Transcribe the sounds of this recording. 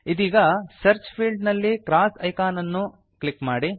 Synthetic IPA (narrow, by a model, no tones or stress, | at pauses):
id̪iːɡɐsɐɾt͡ʃpʰiːɭɖnɐlːikɾaːsɐjkaːnɐnːu | klikmaːɽi